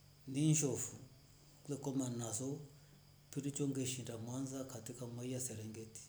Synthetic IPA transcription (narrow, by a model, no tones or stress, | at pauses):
ndinʃɔfu | klɛkɔmanasɔ | piɾit͡ʃɔŋɡɛʃindamwanzakatikamwaijasɛɾɛŋɡɛti̥